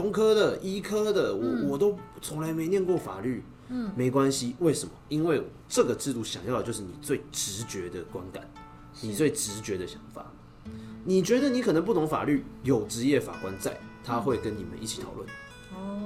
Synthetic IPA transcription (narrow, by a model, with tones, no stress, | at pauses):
ʊ˧˥ŋkʰɤ˥d̪ə˨ʔi˥kʰɤ˥d̪ə˨wɔ˨˩wɔ˨˩t̪o˥ʊt͡sʰʊ˧˥ŋla˧˥ɪme˧˥ɪnjɛ˥˧nkwɔ˥˩fa̰˨˩ly˥˩ | me˧˥ɪkwa˦nɕi˦we˥˩ɪʂə˨˩nmə˦i˥nwe˥˩ɪ | ʈ͡ʂɤ˥˩ɡə˩ʈ͡ʂɻ̩˥˧t̪u˥˩ɕjɑ˨˩ŋjɑ˥˩ʊdə˩t͡ɕjo˥˧ʂɻ̩˥˩ni˨˩t͡swe˥˨˩ɪʈ͡ʂɻ̩˧˦t͡ɕɥɛ˧˥d̪ə˨kwa˦˥nka̰˨˩˦n | ni˨˩t͡swe˥˩ɪʈ͡ʂɻ̩˧˦t͡ɕɥɛ˧˥d̪ə˨˧ɕjɑ̥˨˩ŋfa̰˨˩˦ | ni˨˩t͡ɕɥɛ˧˥d̪ə˨ni˧˥kʰɤ˨˩nə˧˦pu˥˩t̪ʰʊ˧˥ŋfa̰˨˩ly˥˩jo˨˩ʊʈ͡ʂɻ̩˧˥jɛ˥˩fa̰˨˩kwa˦˥nt͡sa̰˥˩ɪt̪ʰa˦xwe˥˩ɪkə˦ni˨˩mə̰˦nʔi˥˩t͡ɕʰi˨˩t̪ʰɑ˨˩ʊlwə̰˥˩n